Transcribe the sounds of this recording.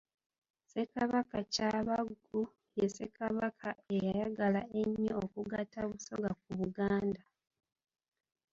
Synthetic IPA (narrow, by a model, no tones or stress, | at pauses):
se̞kaβakacaβaɡ | u | jese̞kaβakʰae̞jajaɡalae̞ɲːookuɡatːaβuso̞̰ɡak̚uβuɡaːnda